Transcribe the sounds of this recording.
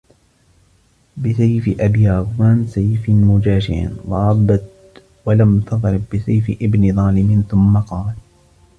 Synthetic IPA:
bɪsajfɪʔabjaːɣʊwaːnsajfɪmʊd͡ʒaːʃɪ̰ʕ̰nwɑɾˤɑbːat̪ | walamt̪ɑðˤɾˤɪbːɪsajfɪʔɪbnɪðˤɑːlɪmɪnθʊmːaqɑːl

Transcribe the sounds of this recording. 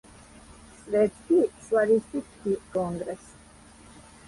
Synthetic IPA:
sʼvɛɾt̪kiʃwaɾist̪ʼit̪kikɔŋɡɾɛs

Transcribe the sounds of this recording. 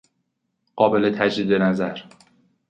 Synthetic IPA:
ɢ̥ɒːbelet̪ʰæd͡ʒɾid̪enæzæɾ

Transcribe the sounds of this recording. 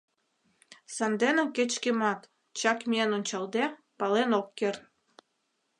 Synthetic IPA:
sɑnd̪enĕket͡ɕkemɑt̪ | t͡ɕɑkmienonʲt͡ɕɑld̪e | pɑlenokːern

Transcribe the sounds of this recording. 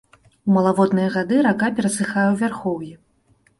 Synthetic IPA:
wmɐlˠavɔd̪nɨjɐɣad̪ɨɾakapʲɛɾɐsɨxajɛwvʲarxɔwji

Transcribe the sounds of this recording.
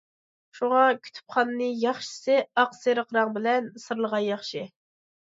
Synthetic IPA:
ʃuŋɑkʲʰy̥t̪ʰy̥p̚χʰɑnɨːɨjɑχʃɨ̥sɨɑqseɾəqʰɾɑŋbɪlɛnsɨɾlˠəʁɑnjɑχʃi

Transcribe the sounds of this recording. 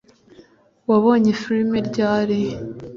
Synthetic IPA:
waβo̞ːɲefiɾimeɾɟaːɾe

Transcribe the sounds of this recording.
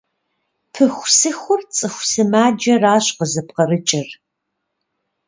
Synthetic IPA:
pʰɨxʷsɨxʷʊrt͡sʼɨxʷsɨmaːd͡ʒɐraːɕʼqəzɨpqɐrɨt͡ʃʼɪr

